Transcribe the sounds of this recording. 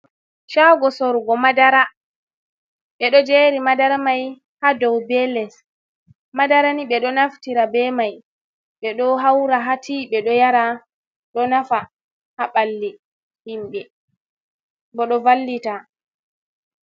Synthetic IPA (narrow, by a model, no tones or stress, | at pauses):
ʃaɡɔsɔɾɡɔmadaɾa | ɓɛɗɔd͡ʒɛɾimadaɾmaj | hadɔwbɛlɛs | madaɾaniɓɛɗɔnaftiɾabɛmaj | ɓɛɗɔɦawɾaɦatʰiɓɛɗɔjaɾa | ɗɔnafa | haɓalːi | himɓɛ | bɔɗɔvalːita